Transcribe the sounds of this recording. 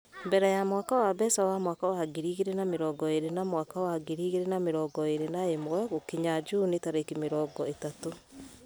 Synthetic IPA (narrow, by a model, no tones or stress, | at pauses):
mbɛɾɛjamwaːkawabɛsawamwaːkawaɡiɾiːɣeɾenameɾɔːɡɔeɾenamwakawaɡiɾiːɣeɾenameɾɔːɡɔeɾenaemowɛɣokiɲad͡ʒunetaɾekimeɾɔɡɔetato